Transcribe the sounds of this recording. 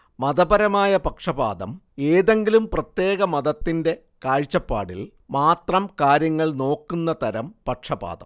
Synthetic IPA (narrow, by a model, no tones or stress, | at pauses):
mɐd̪ɐbɐɾɐmaːjɐpɐkʂɐba̰ːd̪ɐm | e̞ːðe̞ŋɡilumprɐt̪je̞ːɣɐmɐðɐt̪ːinde̞ | kaːɻt͡ɕːɐpːa̰ːɽḭl | maːt̪rɐmkaːɾjɐŋːɐɭno̞ːkːunːɐt̪ɐɾɐmpɐkʂɐba̰ːd̪ɐ̰m